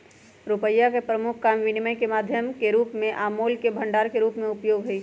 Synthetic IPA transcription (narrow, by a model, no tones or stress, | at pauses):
ɾʊpəjːakepɾəmʊkʰkaːmʋɪnɪməkemaːd̪ʱjəmkeɾuːpmẽʔaːmoːlkebʱɐ̃ɳɖaːɾkeɾuːpmẽʊpjoːɡɦʊiː